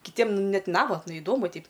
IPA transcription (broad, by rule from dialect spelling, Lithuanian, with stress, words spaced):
kʲɪˈtʲiɛm ˈnʲɛt ˈnɑːʋɐtnɐ ɪˈdoːmʊ ˈtʲɛɪp